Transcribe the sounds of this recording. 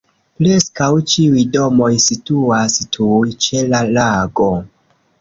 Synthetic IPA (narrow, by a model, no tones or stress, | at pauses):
pɾe̞skawt͡ʃiujdo̞mo̞jsituastʰujt͡ʃe̞lalaɡo̞